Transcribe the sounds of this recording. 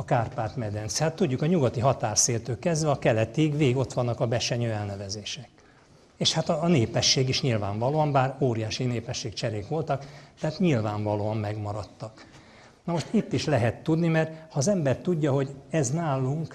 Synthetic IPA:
ɒkaːrpaːt̪mɛd̪ɛnt̪shat̪ːuɟːukɒɲuɡɒt̪iɦɒt̪aːrseːlt̪øːkːɛzd̪vɛɒkɛlɛt̪iɡveːɡiɡo̞t̪ʋɒnːɒkɒbɛʃɛɲøːɛlnɛvɛzeːʃɛk | eːʃhat̪ɒːneːpɛʃːeːɡiʃɲilvaːɱvɒloːɒmbaːroːɾijaːʃineːpɛʃːeːkt͡ʃɛɾeːkʋo̞lt̪ɒkt̪ɛɦaːt̪ɲilvaːɱvɒloːɒmːɛɡmɒɾɒt̪ːɒk | nɒmoʃt̪it̪ːiʃlɛɦɛt̪ːud̪nimɛrt̪hɒːzɛmbɛrt̪uɟːɒɦo̞ɟɛznaːlːuŋk

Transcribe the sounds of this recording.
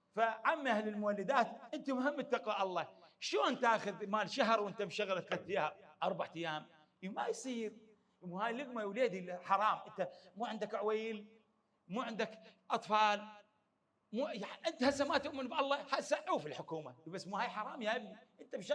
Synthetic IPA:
faʕamːʔahlɪlmʊwalːɪd̪aːt̪ʔɪnt̪amʊhɪmːɪt̪ːɑqwaʔɑlˤːɑʃloːnt̪aːxʊðmaːlʃaɦɾˤwʔɪnt̪abʃaɣlat̪ːlat̪ːiːaʔɑɾˤbaʕt̪ajːaːm | majsˤiːɾ | muhaːjlɪɡmawleːd̪ilħɑɾˤɑːmʔɪnt̪amuːʕɪnd̪akʕwajl | muːʕɪnd̪akʔɑt̪ˤfɑːl | muːjaʕʔɪnt̪hasːamat̪ʊʔmɪnbʔɑlˤːɑhasaʕʕːuːfilħʊkuːmabasːmuhaːjħɑɾˤɑːmjhajbʔɪnt̪abʃa

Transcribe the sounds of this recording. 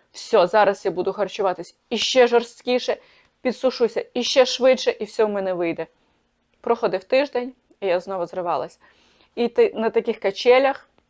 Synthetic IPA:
wsʲɔzɑɾɐsjabud̪ʊxɐrt͡ʃʊʋɑt̪ɪsʲɐiʃt͡ʃɛʒɔrst̪kʲiʃɛ | pʲid̪sʊʃusʲɐiʃt͡ʃɛʃʋɪdʃɛʔiwsʲɔwmɛnɛʋɪjd̪ɛ | pɾɔxɔd̪ɪwt̪ɪʒd̪ɛnʲ | ijaznɔʋʊzrɪʋɑlˠɐ̰sʲ | inɐt̪ɐkʲɪxkɐt͡ʃɛlʲɐx

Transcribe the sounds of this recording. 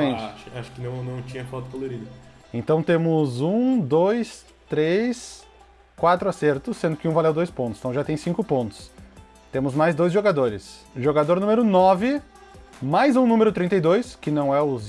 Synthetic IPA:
mẽt͡ʃʃaʃʊ̥kɪnɐ̃w̃nɐ̃w̃t͡ʃĩɲɐfɔt̪ʊkoloɾid̪ɐ | ẽnt̪ɐ̃w̃t̪ẽmʊzũd̪ojs | t̪ɾes | kwat̪ɾʊaseɾt̪ʊsẽnd̪ʊkɪũvalewd̪ojspõnt̪ʊsẽ̥t̪ɐ̃w̃ʒat̪ẽj̃sĩŋkʊpõnt̪ʊ̥s | t̪ẽmʊzmajzd̪ojzʒoɡad̪oɾɪsʒoɡad̪oɾnũmeɾʊnɔvɪ | majzũnũmeɾʊt̪ɾĩnt̪ejd̪ojskɪnɐ̃w̃ɛʊz

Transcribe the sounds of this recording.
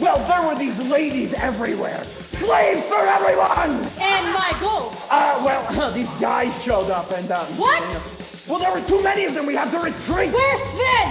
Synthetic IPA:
wɛlˠðə˞wə˞ðizleɪɾizɛvɹiwɛ̰ɹ | pleɪ̃z̥fə˞ɛvɹiwʌ̃nɨ̃nmaɪɡo | ʌwɛlˠðizɡaɪz̥ʃoʊɾʌpɨ̃ndãwʌt | wɛlˠðə˞wə˞tʰumɛniʌvðɨ̃mwiɨv̥təɹɨtʰɹ̥itwəðɨ

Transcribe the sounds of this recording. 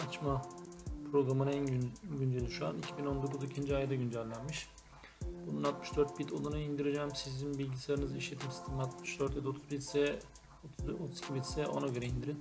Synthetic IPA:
at͡ʃmapʰɾo̞ɡɾamɯnænɟynd͡ʒelʲiʃua̰nicʰibino̞nd̪o̞kuzicʰind͡ʒiajad̪aɟynd͡ʒælʲːænmiʃ | b̥ununalˠt̪mɯ̥ʃd̪øɾt̪̚bit̪ʰolˠunaind̪iɾed͡ʒɛːmsizinbilʲɟisaɾɯnɯziʃlʲe̞t̪ʰimsi̥st̪ʰimat̪mɯʃd̪øɾt̪d̪ɛo̞t̪ʰuzbisɛ | ot̪ʰuz̥cʰibit̪sɛʔo̞̰naɟø̞ɾɛind̪iɾin

